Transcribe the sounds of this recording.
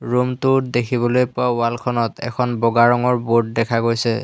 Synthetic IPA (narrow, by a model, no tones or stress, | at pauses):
ɹumtʊdekʰibɔlojpʊaalkʰɔnɔtɛ̰kʰɔnbɔɡaɹɔŋɔɹbot̚dɛkʰaɡojsɛ